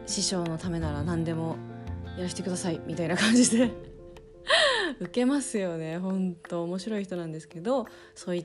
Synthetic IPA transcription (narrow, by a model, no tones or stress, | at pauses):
ɕiɕo̞ːno̞t̪ame̞naɾanãnd̪e̞mo̞jaɾaɕi̥t̪e̞kɯd̪asaimʲit̪ainakãɲ̟d͡ʑid̪e̞ | ɯ̟ke̞masɨjo̞ne̞ɦõ̞nt̪o̞ːmo̞ɕiɾo̞içit̪o̞nãnd̪e̞sɨ̥ke̞d̪o̞ | so̞ːi